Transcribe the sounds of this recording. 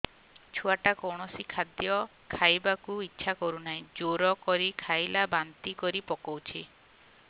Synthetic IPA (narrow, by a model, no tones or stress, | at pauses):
t͡ʃʰuaʈakɔwɳ̃ɔsikʰad̪jɔ | kʰajbakuitːʃʰakɔɾunaĩd͡ʒoɾɔkɔɾikʰajlabant̪ikɔɾipɔkɔwt͡ʃʰi